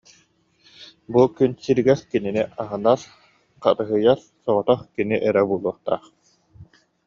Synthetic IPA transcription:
bukynsiɾiɡɛɾkininiʔaɦɯnaɾ | qa̰tɯɦɯjaɾ | sɔʁɔt̪ɔχkiniʔɛɾɛbuːlˠuɔχt̪a̰ːχ

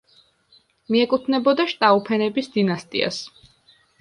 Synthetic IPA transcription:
miɛkʼut̪ʰnɛbɔd̪aʃt̪ʼaupʰɛnɛbisd̪inast̪ʼḭa̰s

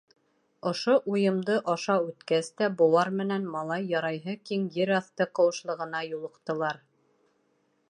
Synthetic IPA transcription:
ŏʃoʔujɤ̆md̪ɤʔɑʃɑʉt̪kæst̪æbuowɑɾmɘ̆nænmɑlˠɑjːɑɾɑjɦɤkiŋjɘɾɑθt̪ɤqɤ̆wɤ̆ʃlˠɤ̆ʁɤ̆nɑjulˠɤ̆qt̪ɤ̆lˠɑɾ

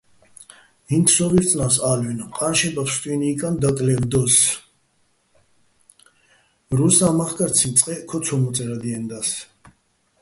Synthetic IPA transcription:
int̪ʰsɔviɾt͡s̪ʼnasalwinqʼanʃɛbapʰst̪ʼwiniːkʼand̪akʼlɛld̪ɔs | mɾusamaχkʼaɾsʰint̪t͡s̪ʼqʼɛkʰɔsʰɔmɔt̪t͡s̪ʼɛɾad̪iɛnd̪as

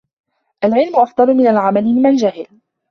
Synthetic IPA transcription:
ʔalʕɪlmʊʔɑfd̪ˤɑɾˤʊmɪnalʕamalɪmɪmand͡ʒahɪl

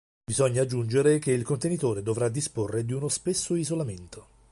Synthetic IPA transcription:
bizɔɲːaːd͡ʒːund͡ʒeɾekeilkont̪enit̪oːɾed̪ovɾad̪isporːed̪iunospesːoizolament̪o

